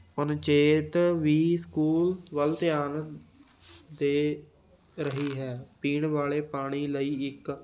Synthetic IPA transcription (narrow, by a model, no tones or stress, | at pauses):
pənt͡ʃeːt̪ʋiːskuːlʋəlt̪ɪjaːn | d̪eː | ɾəɦiːɦɛːpiːɳʋaːleːpaːɽ̃iːləiːɪk